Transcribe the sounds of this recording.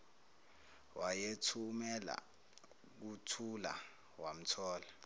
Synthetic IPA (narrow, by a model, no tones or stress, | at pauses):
wajetʰumɛla̰ | k̬utʰula̰ | wam̩tʰɔːla